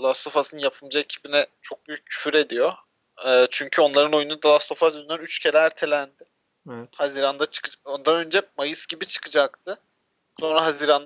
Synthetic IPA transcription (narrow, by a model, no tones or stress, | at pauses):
lˠast̪ʰo̞fasɯnjapʰɯmd͡ʒaecʰi̥binɛt͡ʃʰo̞k̚byjyccːʰy̥fyɾe̞d̪ijo̞ | ɛːt͡ʃʰyɲcʰyo̞nlˠaɾɯno̞junad̪alˠast̪ʰo̞fasyzynænyt͡ʃcʰelæɾt̪ʰelʲænd̪ɪ | haziɾand̪at͡ʃʰɯ̥kɯd͡ʒaond̪anø̞nd͡ʒɛmajɯsɟ̥ibit͡ʃʰɯ̥kɯd͡ʒak̚t̪ʰɯ | so̞nɾaɦaziːɾand̪a